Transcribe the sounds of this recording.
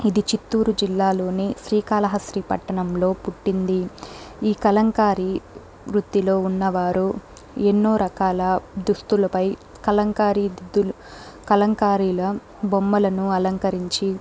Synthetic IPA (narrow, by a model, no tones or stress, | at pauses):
id̪it͡ʃit̪ːuːɾud͡ʒilːaːlo̞ːniʃɾiːkaːlɐɦɐʃɾiːpɐ̰ʈːɐɳɐmlo̞ːpuʈːind̪iiːkɐlɐŋkaːɾi | ɾut̪ːilo̞ːunːɐʋaːɾu | enːoːɾɐkaːlɐd̪ust̪ulɐpɐj | kɐlɐŋkaːɾid̪id̪ːulu | kɐlɐŋkaːɾiːlɐ | bomːɐlɐnuɐlɐŋkɐɾiɲt͡ʃi